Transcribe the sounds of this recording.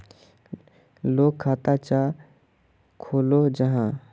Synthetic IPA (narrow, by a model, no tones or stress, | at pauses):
loːɡʰaːt̪at͡ʃa | kʰoːlod͡ʒəɦã